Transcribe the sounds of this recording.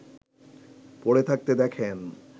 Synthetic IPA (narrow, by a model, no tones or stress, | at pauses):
poɽet̪ʰak̚t̪ed̪ɛkʰen